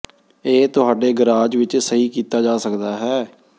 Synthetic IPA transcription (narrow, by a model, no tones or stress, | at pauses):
eːt̪ʊɦaːɖeːɡəɾaːd͡ʒʋɪt͡ʃsəɦiːkiːt̪aːd͡ʒaːsəkd̪aːɦɛː